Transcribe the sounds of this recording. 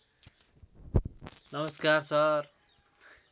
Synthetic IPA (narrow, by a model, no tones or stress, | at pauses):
nʌməskaːɾsaɾ